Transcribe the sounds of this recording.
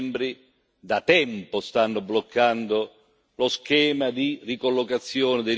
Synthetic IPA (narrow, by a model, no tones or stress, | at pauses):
mbɾi | d̪at̪ɛmpost̪anːoblokːand̪o | loskɛːmad̪irikolːokat̪sːjɔːnɪd̪e